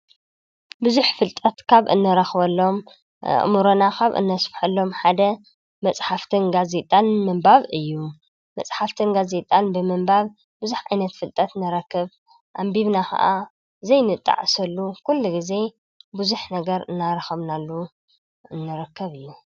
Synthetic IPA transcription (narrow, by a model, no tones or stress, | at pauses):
bɨzuħfɨlt̪ʼɐt̪kʰaβʔɨ̰nːɐɾɐxβɐlːo̞m̰ | ʔmuɾonakʰaβʔɨ̰nːɐsfħɐlːo̞mħad̪ɐ | mɐt͡sʼħaft̪ʰɨnɡaze̞t̪ʼanmɨmbaβɨjːu | mɐt͡sʼħaft̪ʰɨnɡaze̞t̪ʼanbɨmɨmbaβ | bɨzuħʕajnɐt̪fɨlt̪ʼɐt̪nɨɾɐkːɨβ | ʔambiβnakʰɐ̰ʔa | zɐjnɨt̪ʼːa̰ʕsɐlːukʰulːuɡize̞ | bɨzuħnɐɡɐɾɨ̰nːaɾɐxɐβnalːu | ɨnːɨɾɐkːɐβɨjːu